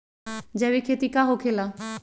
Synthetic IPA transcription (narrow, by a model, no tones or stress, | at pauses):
d͡ʑɛβikʰet̪ikaɦokʰela